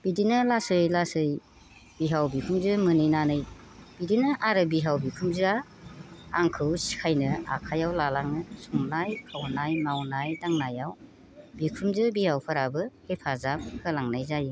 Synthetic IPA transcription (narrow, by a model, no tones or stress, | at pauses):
b̥idinɯlasɯjlasɯj | b̥iɦawbikʰumzɯmɯnɯjnanɯj | b̥idinɯʔaɾɯbiɦawbikʰumzɯa | aŋkʰɯwsi̥kʰajnɯa̰kʰajawlalaŋnɯsuŋnajkʰawnajmawnajdaŋnajaw | bikʰumzɯbihawpʰaɾabɯhepʰazamhʰɯlaŋnajzaji